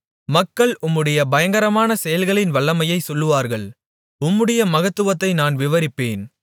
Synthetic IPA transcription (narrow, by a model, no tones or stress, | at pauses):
mɐkːɐɭʊmːɯɽɐjɐbɐjɐŋɡɐɾɐmaːnɐsɛjɐlɣɐɭɪnʋɐɭːɐmɐjɐɪsɔlːɯʋaːɾɣɐɭ | ʊmːɯɽɐjɐmɐɣɐt̪ːɯʋɐt̪ːɐɪnaːnʋɪʋɐɾɪpːeːn